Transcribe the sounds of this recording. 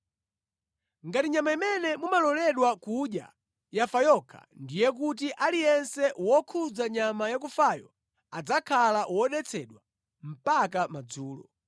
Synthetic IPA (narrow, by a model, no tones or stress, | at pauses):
ŋɡatiɲamaimɛnɛmumalɔlɛɗwakuɗja̰ | jafajɔkʰa̰ndijɛk̬ut̬iʔalijɛnsɛwɔkʰud͡zaɲamajak̬ufajɔ̰ | ad͡zakʰalaʔwɔɗɛt͡sʰɛɗwa | m̩pakamad͡zuːlɔ̰